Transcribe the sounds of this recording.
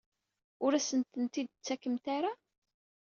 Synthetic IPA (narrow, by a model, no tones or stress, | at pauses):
ʊɾæsənt̪ənt̪id̪̚t͡sːækːəmt̪aɾa